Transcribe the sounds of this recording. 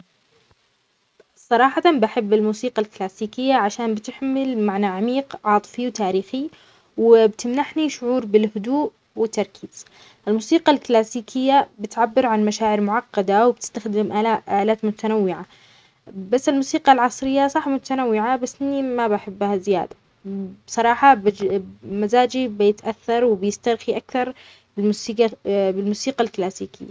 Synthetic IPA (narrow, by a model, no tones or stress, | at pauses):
sˤɑɾˤɑːħɑt̪anbaħɪbːɪlmuːsiːqalklaːsiːkɪjːaʕaʃaːnbɪt̪ɪħmɪlmaʕnaʕamiːqʕɑːt̪ˤfiwt̪aːɾiːxi | wɪbt̪ɪmnaħniʃʊʕuːɾbɪlhʊd̪uːʔ | wɪt̪ːɑɾˤkʰiːz̥ | ʔɪlmuːsiːqɑlklaːsiːkʰɪjːabɪt̪ʕabːɪɾʕanmaʃaːʕɪɾmʊʕɑqːɑd̪awbt̪ɪ̥st̪axd̪ɪmʔaaʔaːlaːt̪mʊt̪anawːɪʕa | basːɪlmuːsiːqɑlʕɑsˤɾɪjːasˤɑħmʊt̪anawːɪʕabasːʔɪnːimabaħɪbːhazɪja̰ːd̪ḁ | bsˤɑɾˤɑːħɑbɪmazaːd͡ʒibjɪt̪ʔaθːɑɾˤwɪbjɪst̪ɑɾˤxiʔakθɑɾˤ | bɪlmsiːqbɪlmuːsiːqalklaːsiːkɪ̰jːa